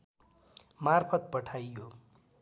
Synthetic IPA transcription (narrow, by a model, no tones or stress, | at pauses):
marpʰʌt̪̚pʌʈʰajo